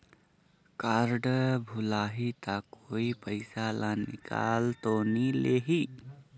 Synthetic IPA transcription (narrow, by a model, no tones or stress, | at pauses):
kaɾɖbʱulaːɦit̪akoipəɪsalanḭka̰ːlt̪onileɦi